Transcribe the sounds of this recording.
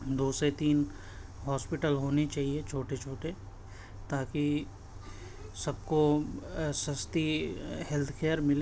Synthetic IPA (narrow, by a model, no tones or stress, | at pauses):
d̪oːset̪iːn | ɦɔːspɪʈəlɦoːnit͡ʃaːɦiet͡ʃʰoːʈet͡ʃʰoːʈe | t̪aːki | sɐb̚ko | sɐst̪ihɛlt̪ʰkʰeːəɾmɪle